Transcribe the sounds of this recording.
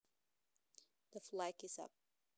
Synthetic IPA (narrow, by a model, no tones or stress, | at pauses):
ðəflaɪkɪzʌ̰p̚